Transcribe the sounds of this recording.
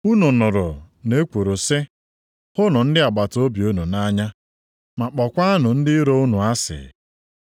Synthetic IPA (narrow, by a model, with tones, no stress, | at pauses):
u˦nʊ˨nʊ˨ɾʊ̰˨ | ne˦kʷo˨ɾo˨sɪ˦ | hʊ˦nʊ˨n̩˦dɪ˦a˨ɡ͡ba˨to˦bi˨o˦nu˨na˦ɲa˦ | ma˨k͡pɔ˨kʷa˦a˦nʊ˨n̩˦dɪ˦ɾo˦u˦nu˨a˦sɪ̰˨